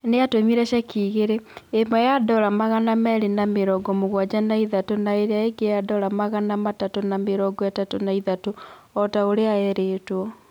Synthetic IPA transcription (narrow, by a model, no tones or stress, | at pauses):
neatomiɾɛʃakʰiːɣeɾeːmajadɔɾamaɣanamɛɾenameɾɔɡɔmoɣwad͡ʑanaiðatonaeɾeaeɡejadɔɾamaɣanamatatonameɾɔɡɔatatonaiðato | ɔtaoɾeaɛɾetwɔ